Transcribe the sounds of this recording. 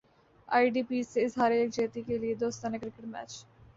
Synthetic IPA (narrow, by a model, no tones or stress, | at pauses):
a̰ːiɖiːpiːsːeɪsɦaːɾeeːk̚d͡ʒeːt̪ikelied̪oːst̪ãːnekɾɪkəʈmɛ̰ːt͡ʃ